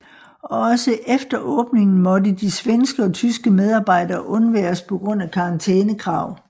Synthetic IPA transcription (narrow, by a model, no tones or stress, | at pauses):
ɒ̽ɒ̽səʔefd̥ɐʔɔ̽ːb̥ne̝ŋn̩mɒ̽dəd̥isʋensɡ̥əɒ̽t͡sʰysɡ̥əmeð̞ˠɑ̈ːb̥ɑ̈ɪ̰d̥ɐːʔɔ̽nʋæːɐɐspʰɒ̽ɡ̥ʁɔ̽n̰ækʰɑ̈ɑ̈nt͡sʰeːnəkʰʁɑ̈ʊ̰